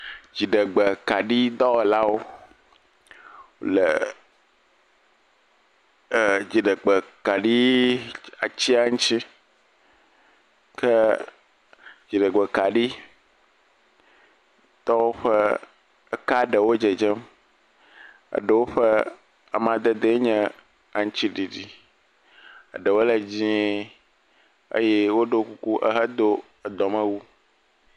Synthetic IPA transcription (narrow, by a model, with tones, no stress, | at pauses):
d͡ʑi˨ɖə˨ɡ͡bə˨ka˨ɖi˦d̪ɔ˦wɛ˨la˦wo˦˨ | lə˨ | d͡ʑi˨ɖə˨ɡ͡bə˨ka˨ɖi˦ | a˨t͡ɕi˦a˦ŋũ˦t͡ɕi˦ | kʰə˦ | d͡ʑi˨ɖə˨ɡ͡bɛ˨ka˨ɖi˦ | t̪ɔ˦wo˦ɸə˦ | ə˦ka˦ɖə˨wo˦d͡ʒe˨d͡ʒə˦m | ə̰˨ɖə˨wo˦ɸə˦ | a̰˨mã˨d̪ə˨d̪e˦ɲɛ̃˦ | a˨ŋ̩̃˦t͡ɕi˦ɖi˨ɖi˦ | ə̰˨ɖə˨wo˦lə˨d͡ʑĩ˦ | ə̰˦jɛ˦wo˦ɖo˦ku˦ku˦ʔə̰˦ɦə˦d̪o˦ | ə˨d̪ɔ˨mə̃˦wu˦